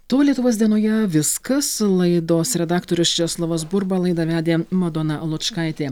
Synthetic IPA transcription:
t̪oːlʲiɛt̪ʊʋoːsd̪ʲiɛnoːjɛʋʲɪskɐslˠɐɪd̪oːsɾʲɛd̪ɑːkt̪oɾʲʊst͡ʃʲɛslˠɐʋosbʊɾbɐlˠɐɪd̪ɐʋʲæːd̪ʲeːmɐd̪ɔnɐlˠʊt̪t͡ʃkɑɪt̪ʲeː

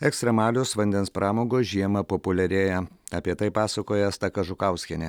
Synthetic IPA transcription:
ɛkst̪ʲɾʲɛmɑːlʲosʋɐnʲd̪ʲɛnspɾʔɑːmoːɡoʒʲiɛmɐpopʊlʲɛɾʲeːjɛɐpʲiɛt̪ɐɪpɑːsɐkoːjɛst̪ɐkɐʒʊkɑʊsʲkʲɛnʲɛ

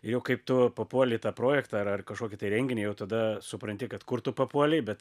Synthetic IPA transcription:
ɪjɛʊkɐɪpt̪ʊpɐpuɔlʲɪt̪ɑːpɾoːjɛkt̪ɑːɐrɐrkɐʃkoːkʲɪt̪ɐɪɾʲɛŋʲɡʲɪnʲɪːjɛʊt̪ɐd̪ɐsʊpɾɐnʲt̪ʲɪkɐt̪kʊrt̪ʊpɐpuɔlʲɛbʲɛt̪

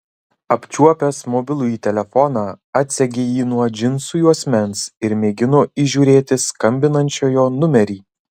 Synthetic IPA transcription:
ɐpʲt͡ʃʲuɔpʲɛsmɔbʲɪlˠʊjiːt̪ʲɛlʲɛfɔnɑː | ɐt̪ʲsʲɛɡʲejiːnuɔd͡ʒʲɪnsʊjuɐsʲmʲɛnsɪɾmʲeːɡʲɪnoːiʒʲuːɾʲeːt̪ʲɪskɐmʲbʲɪnɐnʲt͡ʃʲoːjoːnʊmʲɛɾʲiː

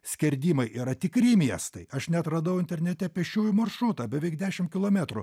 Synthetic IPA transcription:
sʲkʲɛɾʲd̪ʲiːmɐɪʔiːɾɐt̪ʲɪkɾʲiːmʲiɛst̪ɐɪɐʃnʲɛɐt̪ɾɐd̪ɐʊɪnʲt̪ʲɛɾʲnʲɛt̪ʲɛpʲɛʃʲt͡ʃʲuːjʊmɐrʃuːt̪ɑbʲɛʋʲɛɪkd̪ʲæːʃʲɪmkʲɪlˠoːmʲæt̪ɾʊ

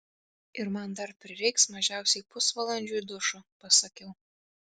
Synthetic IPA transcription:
ɪɾmɐnd̪ɐɾpʲɾʲɪɾʲɛɪksmɐʒʲæˑʊsʲɛɪpʊsʋɐlˠɐnʲd͡ʒʲujd̪ʊʃʊpɐsɐkʲɛʊ

